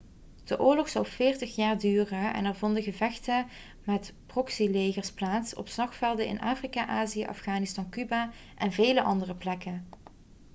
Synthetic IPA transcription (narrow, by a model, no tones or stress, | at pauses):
d̥əʔʊːɹlɔχsɑwvɪːɹtəχjaːɹdyːrəɛ̰nɛɹvɔndəɣəvɛxtə | mɛtprɔksilejɣəɹsplaːtsɔ̰pslɑxfɛlˠdəɪ̰nʔaːfrikaʔaːzijə̰ʔɑ̰fχaːnɪstɑnkyba | ʔɛnveːləʔɑndərəplɛkən